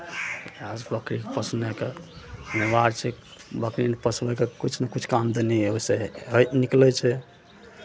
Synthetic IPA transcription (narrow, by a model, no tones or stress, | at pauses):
ad͡ʒbəkɾikepəsnɛkeənebaɾt͡ʃʰibəkɾinpəsbɛkekut͡ʃʰnekut͡ʃʰkamd̪enioseɦət̪niklɛt͡ʃʰɛ